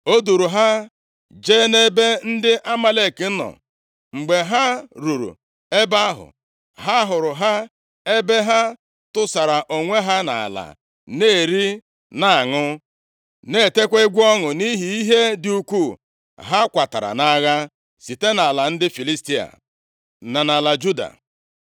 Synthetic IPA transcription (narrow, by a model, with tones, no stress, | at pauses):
o˦du˨ɾu˨ɦa˦ | d͡ʒe˦ne˦be˦n̩˦dɪ˦ʔa˦ma˦le˦˨ki˨n̩˦nɔ̰˨ | ŋ͡m̩˨ɡ͡be˨ɦa˦ɾu˨ɾṵ˨ | e˦ba˦ɦʊ̰˨ | ɦa˦ɦʊ˨ɾʊ˨ɦa˦ | e˦be˦ɦa˦ | tʊ˦sa˨ɾa˨ʔo˨ŋʷe˦ɦa˦na̰˨a̰˨la̰˨ | neː˦˨ɾi˦ | na˨a˨ŋʊ˦ | ne˦˨te˦kʷe˦ɡʷɔ˦ŋʊ˨ni˦ɦi˨i˦ɦe˦dɪ˦u˦kʷu˦˨ | ɦa˦kʷa˨ta˨ɾa̰˨na˦ɣa˦ | si˨te˦na˨a˨la˨n̩˦dɪ˦fi˨li˦sti˦a̰˨ | na˨na˨la˨d͡ʒu˦da̰˨